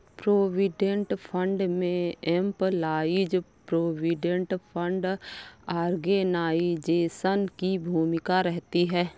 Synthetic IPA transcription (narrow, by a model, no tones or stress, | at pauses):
pɾoːwiɖẽɳʈpʰə̃ɳɖmẽɛmplaːid͡ʒpɾoːwiɖẽɳʈpʰə̃ɳɖaːɾɡenaːid͡ʒeːsənkibʱuːmɪkaɾɛɦt̪iɦɛː